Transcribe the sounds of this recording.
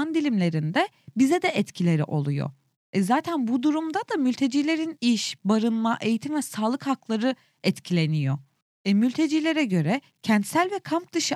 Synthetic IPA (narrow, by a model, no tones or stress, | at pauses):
nd̪ilʲimlʲe̞ɾind̪ɛ | bizɛd̪ɛʔɛt̪cʰilʲe̞ɾiʔo̞̰lˠujo̰ | ɛzaːt̪ʰænbud̪uɾumd̪ad̪amylʲt̪ʰe̞d͡ʒiːlʲe̞ɾiniʃbaɾɯnmaʔejit̪ʰimvɛsaːlˠɯkhaklˠaɾɯ | ɛt̪cʰilʲe̞nijo̞ | ɛmylʲt̪ʰe̞d͡ʒiːlʲe̞ɾɛɟø̞ɾɛ | cʰɛnt̪sælʲvɛkʰamp̚d̪ɯʃɯ